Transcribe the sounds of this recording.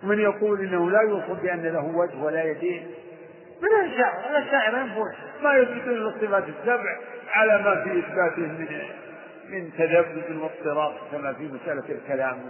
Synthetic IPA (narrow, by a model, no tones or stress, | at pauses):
wmɪnjɑquːlʔɪnːahulajuːsˤɑlbɪʔanːalaɦʊwad͡ʒhwalajad̪eːn | mɪnaʃaːʕɪɾalːaʃːaːʕɪɾˤjɪnfumajʊθbɪt̪uːnlɨstˤːɨfaːt̪ɪsːabʕʕalamafiʔɪθbaːt̪ɪmɪn | mɪnt̪ːad̪abːʊbɪnwɑt̪ˤːɨɾˤɑːt̪ˤkamafimasʔalalkalaːm